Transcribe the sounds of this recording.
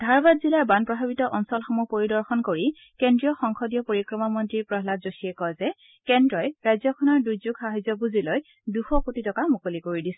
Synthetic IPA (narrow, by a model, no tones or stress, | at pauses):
dʱaɹbadzilaɹbanpɹɔbʱabitɔʔɔnsɔlxɔmupoɹidɔɹxɔnkoɹi | kendɹijɔxɔŋkʰɔdijɔpoɹikɹɔmamɔntɹiɹpɹɔɦlatzosiɛkɔjzɛ | kɛndɹɔjɹajzjɔkʰɔnɔɹdujzuɡxaɦajzɔbuziloj | duxɔkotitɔkamukolikoɹidis